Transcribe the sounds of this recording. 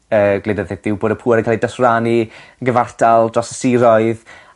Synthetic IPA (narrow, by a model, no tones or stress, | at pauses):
əːɡledəðθɛtð̥ɪwboːɾəpʰuːɾəŋkʰalˠidɔsraniɡəvartʰalˠdrɔsəsiɾɔɨð